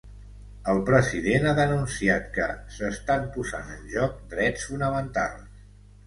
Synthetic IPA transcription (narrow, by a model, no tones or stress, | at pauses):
əlˠpɾəziðenaðənunsiat̪kəsəst̪ampuza̰nənʲʒɔk̚d̪ɾɛsfunəmənt̪a̰lˠs